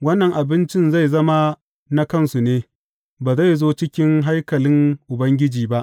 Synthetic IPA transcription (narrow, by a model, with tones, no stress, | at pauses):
wɐ˦nːɐ˨ŋʔa˨bɪ˦nt͡ʃɪ˦nza˦˨jzɐ˦ma˦ | na˦kɐ˦˨nsu˨neː˦ | baː˨za˦˨jzoː˦t͡ʃɪ˦kʲɪ˦ŋɦa˦jkɐ˨lɪ˦ŋʔʊ˨bɐ˦ŋɡʲɪ˦d͡ʒiː˨ba˦ʔ